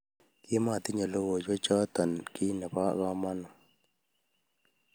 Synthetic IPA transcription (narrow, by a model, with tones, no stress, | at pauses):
kɪ˦ma˨t̪ɪ˦ɲa˨lo˦wo˨d͡ʒɔ˦t͡ʃɔ˦t̪a˨nki˦na˨pa˦ɣa˦ma˦nɔ˨